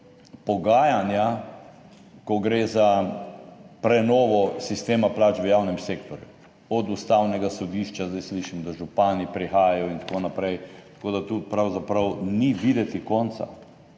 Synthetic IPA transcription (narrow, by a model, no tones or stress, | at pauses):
pɔɡaːjanja | kɔɡɾeːza | pɾɛnɔːʋɔsist̪eːmaplaːt͡ʃʋəjawnɛmseːkt̪ɔɾjṵ | ɔd̪ust̪awnɛɡasɔd̪iːʃt͡ʃazd̪ajsliʃimɔd̪aʒupaːnipɾixaːjajɔint̪ḁkonapɾɛjt̪ḁkoːd̪at̪upɾawzapɾɐwniʋid̪ɛt̪ikɔnt̪sa̰